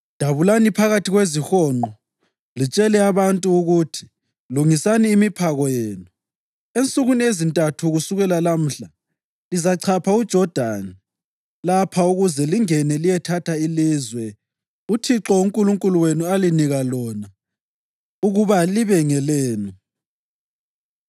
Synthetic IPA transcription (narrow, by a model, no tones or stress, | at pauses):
d̥ʱaβulanipʰaɣatʰiɣwezixɔːnɔ | lit͡ʃʼɛlɛaβantʼuːɣutʰi̥ | luŋisaniːmipʰaɣɔjeːnu | ent͡sʼuɣuniezintʼatʰuɣusuɣɛlalam̩ɬa | lizaǀʰapʰaud̥ʒ̥ʱɔd̥ʱani | lapʰauɣuzɛliŋɛnɛlijɛtʰatʰailizwɛ | utʰiǁɔuŋkʼuluŋkʼuluwenualiniɣalɔna | uɣuβaliβɛŋɛleːnu